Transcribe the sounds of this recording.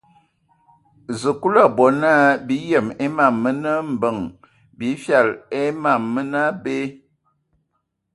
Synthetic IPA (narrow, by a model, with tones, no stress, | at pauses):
zə˨ku˦la˦˨bɔ˨na˦bi˨˦jə˨me˦ma˦˨mːə˦nə˦m̩˨bə˨ŋ | bi˨˦fja˦˨le˦ma˨mːə˦na˦be˦